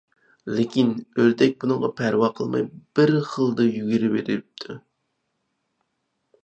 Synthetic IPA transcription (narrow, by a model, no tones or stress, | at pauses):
lɪkʲinøɾd̪ɛk̚ʲbunɨŋʁɑpʰæɾwɑqʰəlˠmɑ̰jb̥ɪɾχəlˠd̪ɨjyɡʲiɾɪbeɾɪɾyp̚t̪ʰu